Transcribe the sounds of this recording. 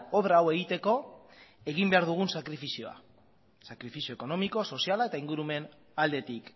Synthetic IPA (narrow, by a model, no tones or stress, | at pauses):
o̞βɾaːwe̞ɣit̪e̞ko̞e̞ɣimbe̞aɾðuɣ̞unsakɾifisio̞a̰ | sakɾifisio̞eko̞no̞miko̞so̞sialae̞t̪aiŋɡuɾume̞n | ald̪e̞t̪ik